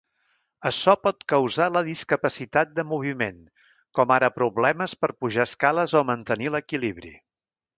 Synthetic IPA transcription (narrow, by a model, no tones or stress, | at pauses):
əʃɔpɔt̪kəwzaləðiskəpəsit̪at̪̚d̪əmuβ̞imen | kɔmaɾəpɾuβlɛməspəɾpuʒaəskaləzomənt̪əniləkiliβɾḭ